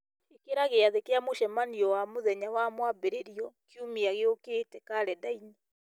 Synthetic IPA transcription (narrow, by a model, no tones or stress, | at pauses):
ekeɾaɣeaðekeamoʃɛmaniɔwamoðɛɲawamwabeɾeɾiɔkjumiaɣeokeːtɛkaɾɛdaiɲi